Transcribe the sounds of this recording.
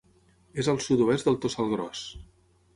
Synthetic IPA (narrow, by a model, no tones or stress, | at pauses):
ezəlˠsut̪uɛst̪d̪əlˠt̪osalˠɣɾɔs